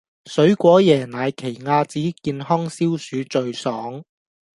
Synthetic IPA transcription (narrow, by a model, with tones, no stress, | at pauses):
sɵ˨˥ɥkʷɔː˨˥jɛː˨˩naː˨˧jkʰe˨˩jŋaː˧t͡siː˨˥kiː˧nhɔː˥ŋsiː˥wsyː˨˥t͡ʃt͡sɵ˨˧ɥsɔː˨˥ŋ